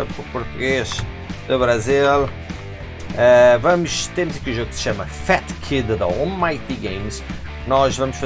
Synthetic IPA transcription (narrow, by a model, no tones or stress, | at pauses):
pupuɾt̪uɣeʃ | d̪ɨβɾɐzilˠ | ɛvɐmʊʃt̪emuzɐkiuʒoɣuksʃamɐfɛt̪kʰid̪ðɐɔlˠmajt̪iɡẽjms | nɔʃvɐmʊʃfɐ